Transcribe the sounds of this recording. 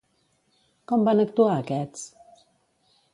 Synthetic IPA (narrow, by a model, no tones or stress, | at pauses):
kɔmbanəkt̪uaəkɛt͡s